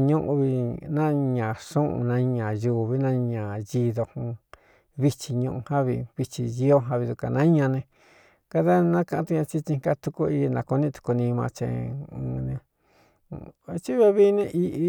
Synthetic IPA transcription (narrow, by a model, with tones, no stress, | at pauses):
ɲũ˦ʔũ˧βi˧nã˦ɲã˨ʂũ˦ʔṵ̃˧nã˧˦ɲã˨juː˧˨βi˦nã˦ɲã˨ji˧ðo˧hũ˧ | βi˧t͡ʃi˧ɲũ˧ʔũ˧hã˦βi˧βi˧t͡ʃi˧ji˦o˦ɦã˧βi˧ðu˧ka̰˨nã˦ɲã˧nẽ˧ | ka˧ða˦nã˦kã˧ʔã˦t̪u˧ɲã˧t͡ʃi˦t͡ʃĩ˧ŋka˧t̪u˧ku˦i˧nã˧ku˧nĩ˦t̪u̥˧ku˧nĩ˧mã̰˧t͡ʃḛ̃˧˨u˧nẽ˧ | t͡ʃi˦βe˧βi˦nẽ˧ʔi˦ʔi˧